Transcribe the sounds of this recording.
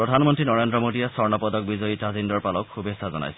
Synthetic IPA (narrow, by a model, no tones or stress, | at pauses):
pɹɔdʱanmɔntɹinɔɹendɹɔmodijasɔɹnɔpɔd̪ɔk̚bizɔjitazindɔɹpalɔkxubesazɔ̰na̰jsɛ